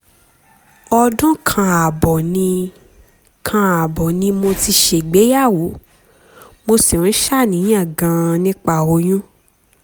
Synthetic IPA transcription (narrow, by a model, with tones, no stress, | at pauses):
ɔ˧dɔ̃˦kʰã˧a˨bɔ˨nĩ˧ | kʰã˧a˨bɔ˨nĩ˧mo˧ti˧ʃe˨ɡ͡be˨˦ja˦˨wo˨˦ | mo˧sĩ˨ũ˨˦ʃa˦˨nĩ˨˦ã˦˨ɡã˧nĩ˦k͡pa˦˨o˧˦j̃ũ˦